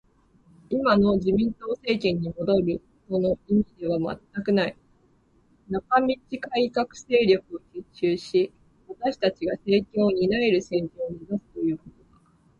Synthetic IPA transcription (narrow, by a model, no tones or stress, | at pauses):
imano̞d͡ʑimʲĩnt̪o̞ːse̞ːkʲẽ̞ɲ̟ːimo̞d̪o̞ɾɯ̟ | to̞no̞imʲid̪e̞β̞ama̰t̪ːakɯ̟nai | nakamʲit͡ɕikaikakɯ̟̥se̞ːɾʲjo̞kɯ̟oçɨt͡ɕɨːɕi | βat̪aɕi̥t̪at͡ɕiɡase̞ːkʲo̞ːɲ̟inae̞ɾɯ̟se̞ːkʲo̞ːɲid̪asɨ̥t̪o̞jɯ̟ːko̞t̪oɡa